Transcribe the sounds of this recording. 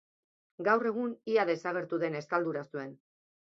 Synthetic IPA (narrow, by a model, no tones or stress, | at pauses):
ɡawre̞ɣ̞uniaðe̞saɣ̞e̞ɾt̪uðe̞ne̞skald̪uɾast̪ue̞n